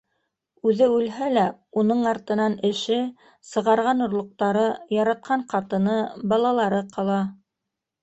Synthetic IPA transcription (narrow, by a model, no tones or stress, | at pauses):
ʉðɘʉlɦælæunɤɴɑɾt̪ɤ̆nɑnɘ̆ʃɘ | sɤ̆ʁɑɾʁɑnŏɾlˠŏq̚t̪ɑɾɤjɑɾɑt̪̚qʰɑɴqɑt̪ɤ̆nɤbɑlˠɑlˠɑɾɤqʰɑlˠɑ